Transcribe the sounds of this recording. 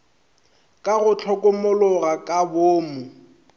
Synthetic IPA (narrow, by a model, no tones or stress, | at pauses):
kʼaɣʊt͡ɬʰɔkʼʊmʊlʊɣakʼaboːmʊ